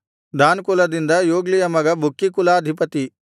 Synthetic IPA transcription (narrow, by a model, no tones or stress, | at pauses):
d̪ʱaːnkulɐd̪ind̪ɐjoːɡlijɐmɐɡɐbʱukːikulaːd̪ʱipɐt̪i